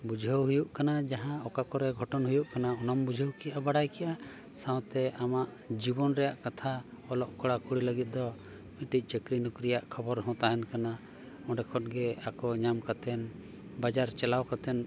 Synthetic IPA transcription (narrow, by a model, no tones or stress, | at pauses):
bud͡ʒʱəwɦujuʔkanad͡ʒaɦãɔkakɔɾɛɡʱɔʈɔnɦujuʔkanaɔnambud͡ʒʱəwkɛjʔabaɽajkɛjʔa | sãw̃t̪ɛamaʔ | d͡ʒibɔnɾɛjaʔkat̪ʰaɔlɔʔkɔɽakuɽiləɡit̪̚ˀd̪ɔ | miʈic̚ˀt͡ʃəkɾinukɾijaʔkʰɔbɔɾɦɔ̃t̪aɦɛnkana | ɔ̃ɖɛkʰɔʈ̚ɡɛakɔɲamkat̪ɛn | bad͡ʒaɾt͡ʃɛlawkat̪ɛn